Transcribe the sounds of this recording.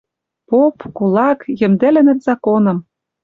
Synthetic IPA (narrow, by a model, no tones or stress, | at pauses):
popkulɑkjɘ̆md̪ĕlɘ̆nɘ̆t̪zɑkonɤ̆m